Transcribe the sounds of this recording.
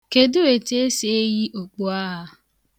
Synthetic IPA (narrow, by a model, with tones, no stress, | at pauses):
ke˨dʊ˦e˨te˦e˦se˨e˦ji˦ʔo˨k͡po˦a˦ɦa˦